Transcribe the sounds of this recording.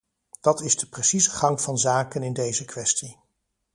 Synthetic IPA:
d̥ɑtɪzdəpresizəχɑŋv̥ɑnzaːkənɪndejzəkʋɛsti

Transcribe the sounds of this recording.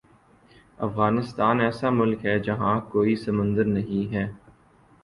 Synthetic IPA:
ɐ̰fɣaːnɪst̪aːnɛːsamʊlkɦɛd͡ʒɐɦãkoːisɐmə̃nd̪əɾnɐɦĩɦɛː

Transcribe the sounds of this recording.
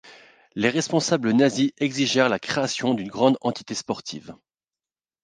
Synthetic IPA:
leʁɛspɔ̃sablənaziʔɛɡziʒɛʁlakχeasjɔ̃d̪ynɡʁɑ̃d̪ɑ̰̃t̪i̥t̪espɔʁt̪ʰḭv

